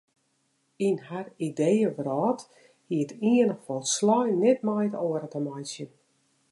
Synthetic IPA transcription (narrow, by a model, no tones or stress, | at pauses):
inharidejəʋrɔːt | hiətiənəxfɔlˠslɔjnɛtmajtoəɾətəmajsjən